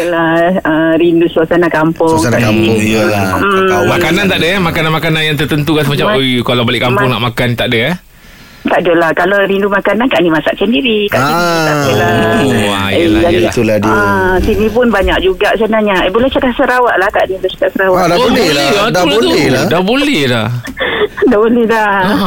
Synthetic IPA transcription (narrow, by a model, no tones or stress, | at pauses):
jəlaəɾindusuasanakampʊŋsaaaŋjlamakanant̪aʔdəamakananmakananjaŋt̪ərt̪ənt̪ukans̬əmat͡ʃamojkalawbalɪʔkampʊŋnaʔmakant̪aʔdəa | t̪aʔdəlahkalaɾindumakanankaʔnimasaʔsəndiɾit̪aʔiaəlaua̰jəlaaat̪uladiasinĩp̬ʊnbaɲak̚d͡ʒuɡaʔsənahɲaʔbolɛht͡ʃakaʔsəɾawaʔlahkaʔniblɛt͡ʃḁkaʔsəɾawadabolɛlaɛadat̪uɛladahbolɛhdah | dabolɛhla